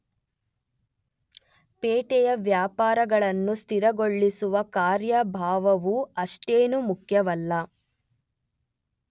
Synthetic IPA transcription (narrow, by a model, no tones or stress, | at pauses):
peːʈɛjɐʋjaːpaːɾɐɡɐɭɐnːust̪iɾɐɡoɭːisuʋɐkaːɾjɐbʱaːʋɐʋuɐʂʈeːnumukʰjɐʋɐlːɐ